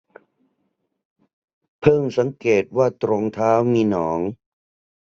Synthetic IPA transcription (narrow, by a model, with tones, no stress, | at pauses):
pʰɤː˥˩ŋsa˩˦ŋkeː˨˩t̪̚waː˥˩t̪ɾo˧ŋt̪ʰaː˦˥wmiː˧nɔː˩˦ŋ